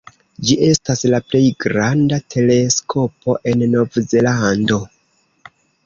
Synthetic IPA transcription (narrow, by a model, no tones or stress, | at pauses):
d͡ʒiʔe̞staslaple̞jɡɾandatʰe̞le̞skʰo̞pʰo̞ʔe̞nːo̞vze̞lando̞